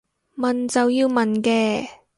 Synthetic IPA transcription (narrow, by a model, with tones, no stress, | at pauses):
mɐ˨nt͡sɐ˨wjiː˧wmɐ˨nkɛː˧